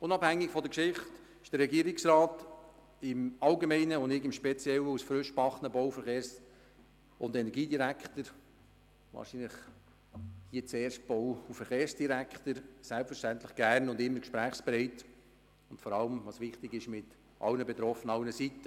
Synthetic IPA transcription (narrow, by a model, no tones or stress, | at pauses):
ʊnɑphæŋːɪkfɔdəkʃɪχt | ɪ̥ʃd̥əɾːɛɡiːəɾɪksrɑːt | ɪmɑlɡemɛɪnəʊndɪkɪmʃpɛt͡sjɛləusfɾʏʃpɑχnəboʊfəɾχeːɾs | ʊndɛnɛɾɡiːdiɾækχtəɾ | ʋɑ̰ːɾʃinləχ | hiːət͡sɛːɾʃt̚b̥ɔwufəɾχeːɾsd̥iɾækʰχtəɾsælpfəɾʃtænt̪ləχɡ̥æːrnʊndɪmːəɾkʃpɾæːχspɾɛɪt | ʊntfɔɾɑləmʋɑːsʋɪχtɪɡɪʃmɪt | ʔɑ̰lnəbɛt̪ɾɔfənəɑwnəsitə